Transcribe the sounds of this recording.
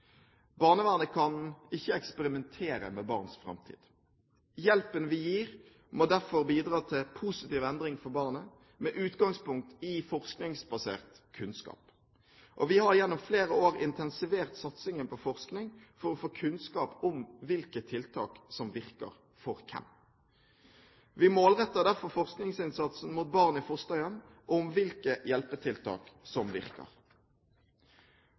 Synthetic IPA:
bɑːnəʋæːʁnəkʰɑnɪçːəɛkspəɾɪmɛnt̪ʰeːɾə̰mɛbɑːʁnsfɾɑ̰mt̪ʰḭːd̪ | jɛlpənʋɪjiːʁ | moːd̪æʁfɔʁbiːd̪ʁɑːt̪ʰɪlpʰusɪt̪iːʋɛnd̪ɾɪŋfɔbɑːʁnə | mɛʔʉːt̪ɡɑŋspʊŋk̚t̪ɪfɔʁsknɪŋsbɑsḛːʁt̪ | kʰʉnskɑ̰ːp | ʔɔʋɪhɑʁjɛnːɔmfleːɾəoːɾɪnt̪ʰɛnsɪʋeːʁt̪sɑt̪sɪŋənpɔfɔʁsknɪŋfɔʁɔfoːkʰʉnskɑːpʊmʋɪlkət̪ʰɪlt̪ʰɑːksɔmʋɪʁkə̰ʁ | fɔʁkʰɛ̰m | ʋɪmoːlʁɛt̪ːəd̪æʁfɔʁfɔʁsknɪŋsɪnsɑt̪sn̩muːt̪̚bɑʁnɪfʊst̪ɑʏən | ʔɔmʋɪlkəjɛlpət̪ʰɪlt̪ʰɑ̰ːksɔmʋɪ̰ʁkə̰ʁ

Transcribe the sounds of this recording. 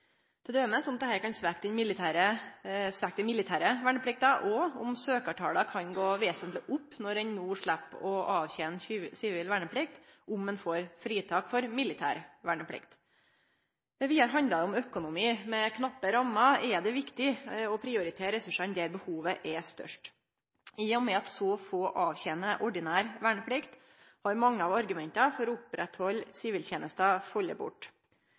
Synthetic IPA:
d̪̥ʰɛd̪øːməsɔnɑt̪ɛhæːɾkɑnsʋæk̚t̪ɪnmɪlɪt̪ʰæːɾəsʋækt̪ɪnmɪlɪt̪ʰæːɾəʋæɳəpʰlɪk̚t̪ɑʔɔʊ̰msøːkɑʈʰɑːlɑkʰɑnɡoːʋeːsənt̪lɪʔʊpːnɔɾɛnnuːʂɭæpːɔʔɑːʋçɛnsɪʋɪlʋæɳəpʰlɪk̚t̪ʔʊmːɛnfoːɾfɾiːt̪ʰɑːkfɔɾmɪlːɪt̪ʰæ̰ːɾʋæɳəpʰlɪ̰kt̪ | ʋɪhæɾɦɑnd̪ɑʊmœkʊnʊmiːmɛkʰnɑpːəɾɑmɑɛd̪ɛʋɪkt̪ɪɔpʰɾɪʊɾɪt̪ʰeːɾɛsʉʂɑnd̪ɛæɾbəhuːʋəʔɛst̪œ̰ʂʈ | iːʊmɛɑt̪sɔfoːʔɑːʋçɛnəʔɔɖɪnæːɾʋæːɳəpʰɽɪkt̪ | hɑɾmɑŋːəɑʋɑɾɡʉmɛnt̪ɑfɔɾɔʊpɾɛt̪hɔlːsɪʋiːlçeːnəst̪ɑfɔlːə̰bʊ̰ʈː

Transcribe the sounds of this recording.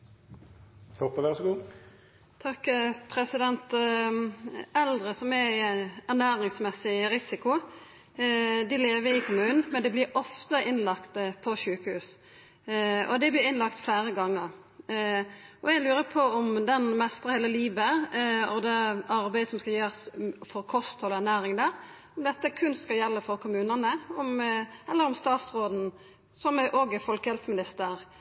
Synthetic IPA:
hɔpːəʋæʁsɔɡuː | t̪ʰɑkːpʰɾɛsɪd̪ɛnt̪ | ɛld̪ʁəsɔmɛæʁnæːɾɪŋsmɛsɪɾɪsɪkʊ | d̪ɪleːʋəɾɪkʰʊmʉːnn̩mɛnd̪ɛblɪɾʔɔft̪əʔɪnlɑkt̪əpʰɔʃʉːkəhʉːs | ɔ̰d̪ɛblɪɪnlɑkt̪flæːɾəɡɑŋːəɾ | ʔɔɛɡlʉːɾəpʰɔɔmd̪ɛnmɛst̪əʁəheːləliːʋəɔd̪ɛɑɾbæɪd̪əsɔmskɑjeːʁsfɔɾkʰɔst̪ʰɔæʁnæːɾɪŋd̪æːɾ | ɔmd̪ɛt̪ːəkʰʉnskɑljɛlːəfɔɾkʰʊmʉːnənəɔmɛlːəɾʊmst̪ɑːt̪sɾoːd̪n̩ | sɔmæʔoɡəfɔlkəɛlsmɪnɪst̪əɾ

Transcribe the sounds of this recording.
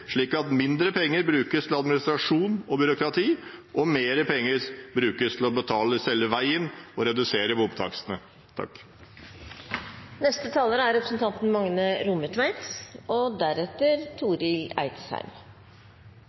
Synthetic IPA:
ʂɭiːkɑt̪mɪnd̪ɾəpʰɛŋːəɾbɾʉːkəst̪ʰɪl̩ɑd̪mɪnɪst̪ɾɑʂuːnɔbʏɾʊkɾɑt̪ʰiːʔɔmeːɾəpʰɛŋːəɾbɾʉːkəst̪ʰɪl̩ɔbət̪ʰɑːləsɛlːəʋæɪənɔɾɛd̪ʉseːɾəbʊbt̪ʰɑ̰ksənə | t̪ʰɑ̰k | nɛst̪ət̪ʰɑːləɾəæɾɛpɾəsn̩t̪ʰɑnt̪n̩mɑŋnəɾʊməʈʰʋæɪt̪ɔd̪æɾɛt̪ːəɾt̪ʰuːɾɪlæ̰ɪt̪shæ̰ɾm

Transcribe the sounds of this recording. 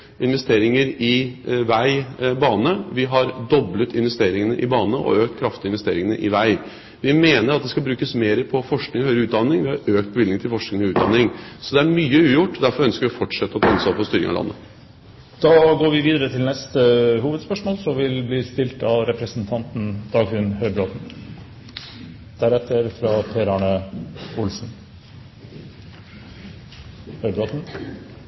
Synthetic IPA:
ɪnʋɛst̪eːɾɪŋəɾɪʋæɪbɑːnəʋɪɦɑɾd̪ɔblət̪ɪnʋɛst̪eːɾɪŋənəʔɪbɑːnəʔɔ̰øːk̚t̪kʰɾɑft̪ɪnʋɛst̪eːɾɪŋənə̰ʔɪʋæɪ | ʋɪmeːnəɾɑt̪̚d̪ɛskɑbɾʉːkəsmeːɾəpʰɔfɔʂknɪŋhœʏɾəʉːt̪d̪ɑnːɪŋʋɪhɑɾøːk̚t̪̚bəʋɪlɪŋt̪ʰɪlfɔʂknɪŋɔʉːd̪ɑnɪŋsɔd̪ɛæɾmyːəʉːjʊʈːd̪æɾfɔɾœnskəɾʋɪɔfɔʈʂɛt̪ːəɔt̪ʰɑɑnːsɑpʰɔst̪yːɾɪ̰ŋɑ̰ʋlɑ̰nːə̰ | d̪̥ɑːɡoːɾʋɪʋiːd̪əɾət̪ʰɪlnɛst̪əhuːʋəd̪spœʂmoːlsɔʋɪlbliːst̪ɪlt̪ɑɾɛpɾəsn̩t̪ʰɑnt̪n̩d̪̥ɑːɡʉnhœʏɾbɾoːt̪n | d̪̥æɾɛt̪ːəɾfɾɑpʰɛɾɑːɳəʊlsn̩ | hœʏbɾoːt̪n̩

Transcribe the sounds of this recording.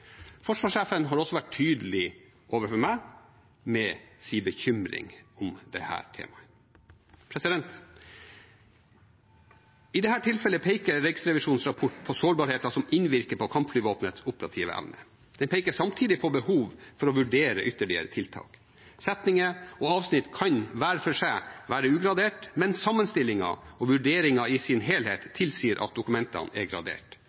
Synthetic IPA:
fɔʂʋɑːʂeːfənɦɑɾɔsːɔʋæʈʰyːd̪əlɪ | ʔoːʋəfɔɾmæɪ | mɛsiːbəçʏmɾɪ̰ŋɔmd̪ɛ̰hæ̰ːɾʈʰḛːmɑ | pʰɾɛsɪd̪ɛnt̪ | ɪd̪ɛhæːʈʰɪlfɛləpʰeɪkəɾːɛksɾɛʋɪʂuːnsɾɑpʰɔʈːpʰɔsoːɾbɑːɾheːt̪ɑsɔmɪnʋɪɾkəpʰɔkʰɑmpflyːʋoːpnət̪sʊpəɾɑ̰t̪ʰiːʋə̰ʔɛ̰ʋnə̰ | d̪̥ɛnpʰɛɪkəʂɑmt̪ʰiːd̪ɪpʰɔbəhuːʋfɔɾɔʋʉɖeːɾə̰ʔʏt̪ːəɭɪə̰ɾət̪ʰɪlt̪ʰɑ̰ːk | sɛt̪nɪŋəɔɑːʋsnɪt̪ːkʰɑnʋæːɾfɔʂæɪʋæːɾəʉːɡɾɑd̪eːʈmɛnsɑmːənst̪ɪlːɪŋɑ̰ɔʋʉɖeːɾɪŋɑɪsɪnɦeːlhḛːt̪ʰːɪlsiːəɾʔɑ̰t̪̚d̪ʊkʉmɛnt̪ɑ̰nɛ̰ɡɾɑ̰d̪ḛːʈ

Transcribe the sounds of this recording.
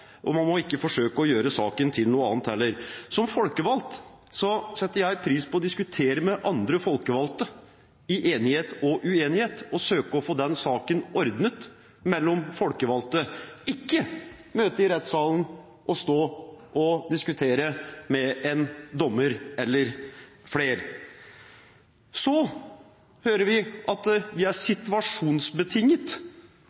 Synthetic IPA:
ʔɔmɑnmɔɪkːəfɔʂøːkəɔjøːɾəsɑ̰ːkənt̪ʰɪlnuːəɑ̰ːnt̪ɛlːəɾsɔmfɔlkəʋɑlt̪ | sɔsɛt̪ːəɾjæɪpʰɾiːspɔɔd̪ɪskʉt̪ʰeːɾəmɛʔɑnd̪ɾəfɔlkəʋɑlt̪ə | ɪʔeːnɪheːt̪ɔʔʉeːnɪheːt̪ɔsøːkəɔfoːd̪ɛnsɑːkənɔɾd̪nət̪ | mɛlːɔmfɔlkəʋɑlt̪əɪkːə | møːt̪əɾɪɾɛt̪sɑːlən | ʔɔst̪oːʔɔd̪ɪskʉt̪ʰeːɾəmɛɛnd̪ɔmːəɾɛlːəɾfleːɾ | sɔ | høːɾəʋɪʔɑt̪ʋɪæʂɪt̪ʉɑʂuːnsbət̪ʰɪŋːət̪

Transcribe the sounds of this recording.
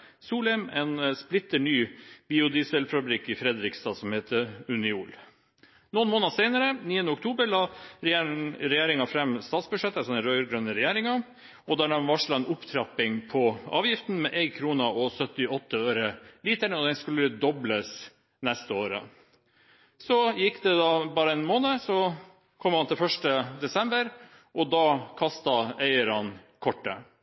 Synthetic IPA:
suːlɛmɛːnsplɪt̪ːəɳyːb̥iːʊd̪iːsəlfɑbɾikːɪfɾɛd̪ɾɪkst̪ɑːsɔmheːt̪ʰəʉnɪuːl | nʊnmoːnɑsɛɪnəɾəniːənəɔk̚t̪ʰuːbəɾɭɑːɾɾɛjeːɾɪŋɑfɾɛmːst̪ɑːt̪sbʉʂɛt̪ːəsɔnəɾœʏɾɡɾœnːəɾɛjæːɾɪŋɑ | ɔd̪æɖɛmʋɑʂɭɑɛnʔʊpt̪ʰɾɑpːɪŋpʰɔɑ̰ːʋjɪft̪n̩mɛʔɛɪɡkʰɾuːnɑɔsœt̪ːɪɔt̪ːəøːɾəliːt̪æɳəɔd̪ɛnskʉlːəəd̪ɔbləs | nɛst̪əoːɾə̰ | sɔjɪkːd̪ɛd̪ɑbɑːɾəɛnmoːnəsɔ | kʰɔmɾhɑnt̪ɪlfœʂʈəd̪ɛsɛmbəɾ | ʔɔd̪ɑkʰɑst̪ɑæɪəɾɑn | kʰɔʈːə̰

